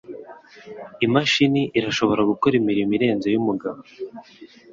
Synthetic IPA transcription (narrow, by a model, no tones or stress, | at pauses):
imaʃiniʔiɾaʃo̞βo̞ɾaɡukoɾimiɾimiɾe̞ːnzo̞jumuɡaβo